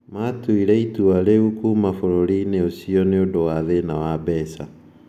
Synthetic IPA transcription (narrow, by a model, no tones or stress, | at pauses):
matuiɾɛituaɾeukumafoɾoɾineosiɔneodowaðenawabɛsa